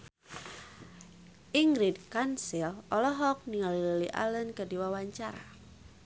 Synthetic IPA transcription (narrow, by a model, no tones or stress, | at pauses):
ʔiŋɡɾid̚kansilʔɔlɔɦɔk̚niŋalililiʔa̰lənkədiwawaɲt͡ʃaɾa̰